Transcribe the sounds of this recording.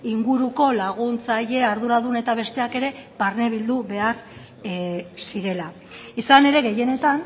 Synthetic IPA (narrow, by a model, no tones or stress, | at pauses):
iŋɡuɾuko̞laɣ̞unt͡saʎe̞aɾðuɾaðune̞t̪aβe̞st̪e̞ake̞ɾe̞paɾne̞β̞ild̪uβe̞aɾ | siɾe̞la | isane̞ɾe̞ɣe̞je̞ne̞t̪an